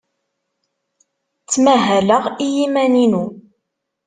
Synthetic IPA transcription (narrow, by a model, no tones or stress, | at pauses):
t͡sːmæɦæləʁijimæninu